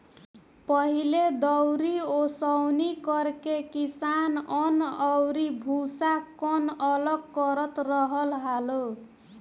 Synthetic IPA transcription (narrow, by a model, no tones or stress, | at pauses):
pʌɦiled̪ʌwɾiosʌwnikʌrkekisanʌnʌwɾibʱusakʌnʌlʌɡkʌɾʌt̪rʌɦʌlɦalo